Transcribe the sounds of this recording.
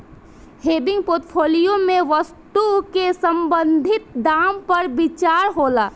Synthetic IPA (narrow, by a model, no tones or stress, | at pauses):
hebɪ̃ŋɡpoɾʈ̪pʰolijomẽʋəst̪ukesəmbənd̪ʱɪt̪̚d̪ampəɾbit͡ʃaɾɦola